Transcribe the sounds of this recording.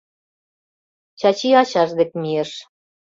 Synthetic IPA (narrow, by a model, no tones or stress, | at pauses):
t͡ɕɑt͡ɕiɑɕɑʒd̪ekmieʃ